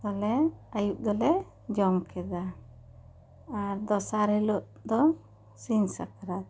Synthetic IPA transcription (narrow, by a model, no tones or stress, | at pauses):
t̪alɛajuʔ̚d̪ɔlɛ | d͡ʒɔmkʰɛd̪a | aɾd̪ɔsaɾhɛlɔʔ | d̪ɔ | sinsakɾat̪̚